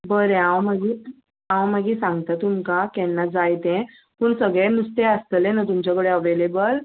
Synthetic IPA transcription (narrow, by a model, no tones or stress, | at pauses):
bəɾẽãwmaɡiː | ãwmaɡiːsãŋɡt̪at̪umkakɛ̃nːad͡zajt̪ɛ̃ | puːɳsəɡɭɛ̃must̪eəst̪əlẽnat̪umt͡ɕakəɽeəʋelebəl